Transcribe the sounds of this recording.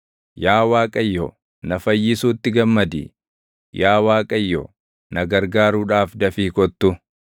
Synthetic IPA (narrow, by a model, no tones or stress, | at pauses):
jaːwaːkʼɐjːɔ̰ | nɐfɐjːɪsuːt̪ːɪɡɐmːɐd̪ḭ | jaːwaːkʼɐjːɔ̰ | nɐɡɐɾɡaːɾuːᶑaːfd̪ɐfiːkɔt̪ːʊ